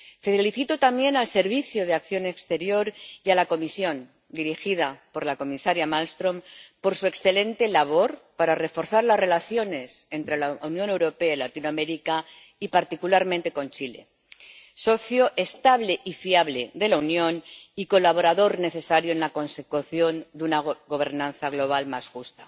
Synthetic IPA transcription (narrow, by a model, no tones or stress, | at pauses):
feliθit̪ot̪amje̞nalse̞ɾβiθjoð̞eak̚θjo̞ne̞kst̪e̞ɾjo̞ɾjalako̞misjo̞n | d̪iɾixið̞apo̞ɾlako̞misaɾjamalst̪ɾo̞mpo̞ɾsue̞ksθe̞le̞nt̪e̞laβ̞o̞ɾpaɾare̞fo̞ɾθaɾlasre̞laθjo̞ne̞se̞nt̪ɾe̞launjõ̞ne̞wɾo̞pe̞ailat̪inoame̞ɾika | ipaɾt̪ikulaɾmẽnt̪e̞ko̞nt͡ʃile̞̰ | so̞θjoʔe̞st̪aβleʔifiaβle̞ðe̞launjõ̞niko̞laβ̞o̞ɾaðo̞ɾne̞θe̞saɾjoenlako̞nse̞kuθjo̞nd̪unaɣo̞β̞e̞ɾnãnθaɣ̞lo̞β̞almasxust̪ḁ